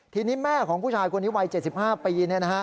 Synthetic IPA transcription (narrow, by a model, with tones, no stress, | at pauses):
t̪ʰiː˧niː˦˥mɛː˥˩kʰɔː˩˦ŋpʰuː˥˩t͡ɕʰaː˧jkʰu˧niː˦˥wa˧jt͡ɕe˨˩t̪̚si˨˩p̚haː˥˩piː˧ni˥˩ɐna˦˥a˦˥